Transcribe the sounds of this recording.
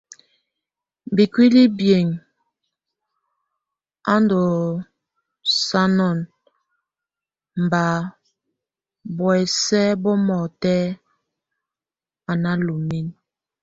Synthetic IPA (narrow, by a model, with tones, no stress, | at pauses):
m˨bi˨kwi˦li˦bje˨ŋ | a˦n˦do˨ | sa˦nɔ˦˨n | m̩˨ba˨ | bwsɛ˦bɔ˦mɔ˨tɛ˦ | a˨na˦lu˨mi˦n